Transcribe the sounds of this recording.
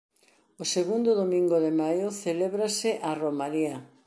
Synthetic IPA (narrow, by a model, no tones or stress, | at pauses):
ʊseɣund̪ʊðomĩŋɡʊðemajʊθeleβɾasɪʔaromalia